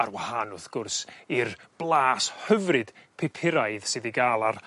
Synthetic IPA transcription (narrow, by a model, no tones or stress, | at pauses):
arwahanʊθɡ̥ʊrsirb̥lˠaːshəvrɨd̥pʰepʰɪɾajðsɨðiɡaːlˠar